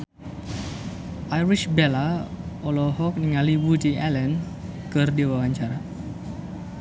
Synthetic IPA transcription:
ʔajɾiʃbelaɔlɔɦɔk̚niŋaliwudialɛn | kɨrdiwawaɲt͡ʃaɾa

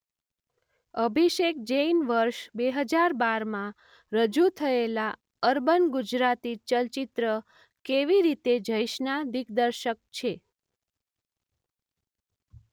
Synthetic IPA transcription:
əbʱiʃek̚d͡ʒejnʋəɾʃbeɦəd͡ʒaɾbaɾmã | ɾəd͡ʒut̪ʰəela | əɾbənɡud͡ʒɾat̪it͡ʃəlt͡ʃit̪ɾə | keʋiɾit̪ed͡ʒəjʃnad̪ikd̪əɾʃək̚t͡ʃʰe

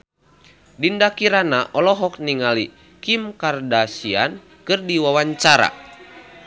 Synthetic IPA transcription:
dindakiɾanaʔɔlɔɦɔk̚niŋali | kimkardasian | kɨrdiwawaɲt͡ʃaɾa̰

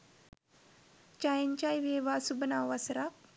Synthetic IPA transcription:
t͡ʃajiɲt͡ʃajʋeːʋaːsubənaʋasɾa

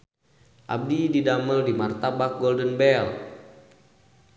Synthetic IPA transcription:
ʔa̰b̚dididaməldimart̪abak̚ɡɔldənbɛl

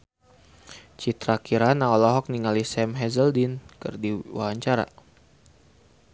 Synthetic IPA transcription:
t͡ʃit̪ɾakiɾanaɔlɔɦɔk̚niŋalisɛmɦɛzəldinkɨ̰rdiwa̰ɦaɲt͡ʃaɾa̰

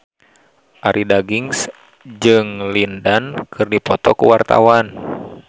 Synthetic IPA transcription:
ʔaɾʔidaɡiŋs | d͡ʒɨŋlindankʰɨrdipɔt̪ɔkuwart̪a̰wan

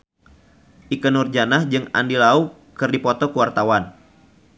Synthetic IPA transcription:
ʔikənurd͡ʒanahd͡ʒɨŋa̰ndilau | kɨrdipɔt̪ɔkəwart̪awan

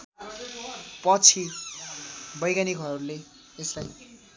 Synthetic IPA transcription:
pʌt͡sʰi | bʌjɡaniɡʱʌɾʌɾule | eslaj

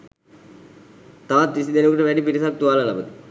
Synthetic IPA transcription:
t̪aʋat̪ʋisid̪enəkuʈəʋɛɖipiɾisak̚t̪uʋalalabəd̪i

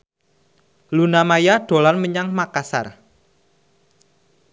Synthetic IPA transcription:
lunamajaɖ̪̥o̤lanməɲaŋmakasa̰r

